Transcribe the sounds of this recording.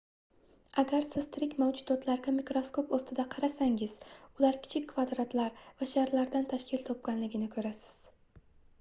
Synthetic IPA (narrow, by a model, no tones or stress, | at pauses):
aɡʲaɾsɪzt̪ʰɾɪkʲmawd͡ʒʊd̪ɒt̪ʰlaɾɡʲamikɾoskopost̪ɪd̪aqʰɑɾasaŋɪz̥ʊlaɾkʲʰɪ̥t͡ʃʰɪkʲːvad̪ɾat̪ʰlaɾvaʃaɾlaɾd̪ant̪ʰaʃkʲʰɪlt̪ʰɒp̚ɡʲanlɪɡʲɪnɪkʰɵɾasɪ̥z̥